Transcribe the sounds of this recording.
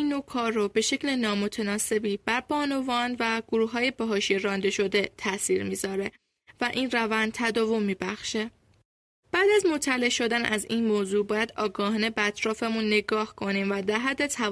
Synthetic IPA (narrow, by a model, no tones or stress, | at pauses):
inːokʰɒːɾːobe̞ʃe̞clenɒːmo̞t̪ʰenɒːse̞biːb̥æɾb̥ɒːno̞vɒːnvæɡ̥oɾuːhɦɒːjebeɦɒːʃieɾɒːnd̪e̞ʃo̞d̪e̞t̪ʰæsiːɾmiːzɒːɾe̞ | væʔiːnrævænd̪̚t̪ʰæd̪ɒːvo̞mːiːbæxʃe | b̥æːd̪æzmo̞t̪ʰːæle̞ʃo̞d̪ænʔæ̰ziːnmoːzuːbɒːjæd̪̥ɒːɡɒːhɑne̞beæt̪ʰɾɒːfe̞munːe̞ɡɒːhkʰo̞niːmvæd̪æɾɦæd̪ːe̞t̪ʰæ